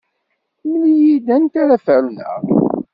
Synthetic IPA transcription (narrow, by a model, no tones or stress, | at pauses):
mlijid̪ænt̪aɾafəɾunə̰ʁ